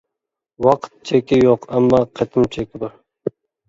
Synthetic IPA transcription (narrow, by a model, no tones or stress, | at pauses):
wɑqʰt̪̚t͡ʃʰekʲɪjoqamːɑqʰɑt̪ʰɪmɪt͡ʃʰekʲɪbɑɾ